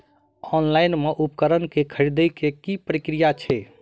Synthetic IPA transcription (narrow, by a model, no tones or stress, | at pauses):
ɔnlaɪnmeʔupkəɾənkekʰəɾid̪əjkekipəɾikɾijat͡ʃʰɛ